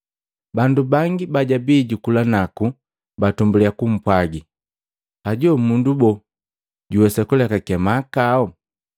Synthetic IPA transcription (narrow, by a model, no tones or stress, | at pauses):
bandubaŋɡibaɟabiːɟukulanaku | batumbuliakum̩pwaɡi | aɟɔmundubɔ | ɟuwɛsakulɛkakɛmakaɔ